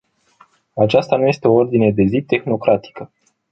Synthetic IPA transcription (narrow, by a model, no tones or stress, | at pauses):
at͡ʃast̪anuje̞st̪e̞o̞o̞rd̪ine̞d̪e̞zit̪e̞xno̞kɾat̪i̥kə